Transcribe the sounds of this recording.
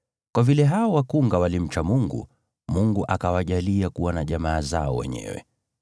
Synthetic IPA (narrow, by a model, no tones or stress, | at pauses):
kwavilɛɦaɔwakuŋɡawalim̩t͡ʃamuŋɡṵ | muŋɡuʔakawaʄaliakuwanaʄamaːzaɔ̰wɛ̰ɲɛ̰wɛ̰